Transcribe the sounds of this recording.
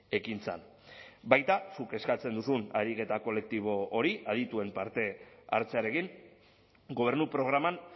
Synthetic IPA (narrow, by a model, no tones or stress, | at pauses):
e̞kint͡sa̰n | bajt̪asuke̞skat͡se̞nd̪usuna̰ɾike̞t̪ako̞le̞k̚t̪iβ̞o̞ːɾiʔað̞it̪ue̞mpaɾt̪e̞a̰ɾt͡seaɾe̞kiŋ | ɡo̞β̞e̞ɾnupɾo̞ɣ̞ɾaman